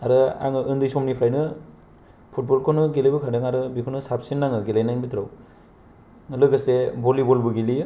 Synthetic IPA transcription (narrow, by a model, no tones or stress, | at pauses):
aɾɯa̰ŋɯʔɯndɯjsɔmnipʰajnɯ | pʰut̚bolkʰonɯɡelebɯkʰadɯŋaɾɯbikʰonɯsap̚sinːaŋɯɡelajnajnbitʰɾa̰w | lɯɡɯsebolibolbɯɡili